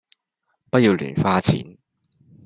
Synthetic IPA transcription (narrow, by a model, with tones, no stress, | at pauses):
pɐ˥t̚jiː˧wly̰ː˨˩nfaː˥t͡sʰḭː˨˥n